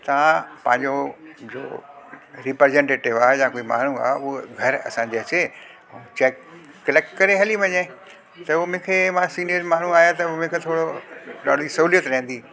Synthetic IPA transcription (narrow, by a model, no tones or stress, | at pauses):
t̪ãpɐ̃ɦɪ̃ɲd͡ʑod͡ʑo̰ː | ɾipɾezẽɳʈeːʈɪʋaːɦejãːkuːima̰ːn̤ua̰ːɦeʊɦɡʱɐɾɐ̰sãɲd͡ʑeɐsẽ | t͡ɕɛːkː | ɐleːkkɐɾeɦɛliʋɐɲẽ | t̪ɐʊmʊ̃kʰemãsiːnijəɾmaːn̤uaːɦjat̪ɐʊmʊ̃ːkʰet̪ʰoːɽoɗa̰ːɖ̤ʱisɐɦuːlijət̪ɾɐ̃ɦɪ̃n̆d̪iː